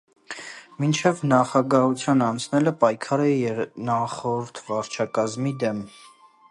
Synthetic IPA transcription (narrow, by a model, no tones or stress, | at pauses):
mint͡ʃʰɛvnɑχɑɡɑɦut͡sʰjɑnɑnt͡sʰnɛləpɑjkʰɑɾɛjɛɾnɑχɔɾt̪ʰvɑɾt͡ʃʰɑkɑzmid̪ɛm